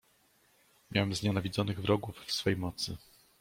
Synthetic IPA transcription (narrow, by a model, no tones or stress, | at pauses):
mʲja̰wɛmzɲanavʲid̪zɔnɘɣvɾɔɡufːsfɛjmɔt̪sɘ